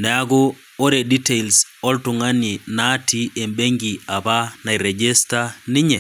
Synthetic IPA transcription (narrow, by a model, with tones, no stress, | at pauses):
nɛ˨a˦ɡo˦ | o˦ɾe˨di˦te˦˨ls | ɔ˦ltʊ˨ŋa˦ni˨na˦tʰi˦e˨mbe˦ŋɡi˨a˨ba˦na˨i˨ɾɛ˨d͡ʒe˦sta˦nɪ˦ɲɛ˨